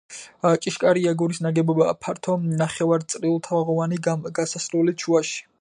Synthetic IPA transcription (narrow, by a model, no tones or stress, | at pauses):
t͡ʃʼiʃkʼaɾiaɡuɾisnaɡɛbɔbapʰaɾt̪ʰɔnaχɛvaɾt̪sʼɾiulˠt̪ʰavaʁɔvaniɡasasɾulit͡ʃʰuaʃi̥